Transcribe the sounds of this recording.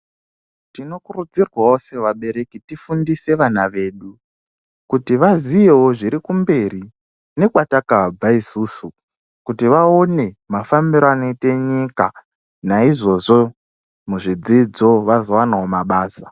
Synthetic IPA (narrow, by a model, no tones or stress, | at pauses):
tino̞kurud͡zirwawose̞ʋaɓe̞ɾe̞kitifundise̞ʋanaʋe̞ːɗu | kutiʋazijewoʐiɾikumbe̞ɾi | ne̞kwatakaab͡vaisuːsu | kutiʋao̞ne̞mafamiɾoano̞ite̞ɲika̰ | naiʐo̞ʐo̞ | muʐid͡zid͡zo̞ʋazo̞wanaɦo̞maɓaːsa